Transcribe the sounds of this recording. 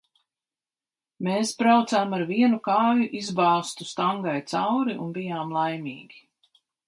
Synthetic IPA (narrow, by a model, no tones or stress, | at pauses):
meːspɾawt̪saːmaɾviɛnukaːjuʔizbaːst̪ust̪aŋɡajt̪sawɾiʔṵnbijaːmlˠajmiːɡʲi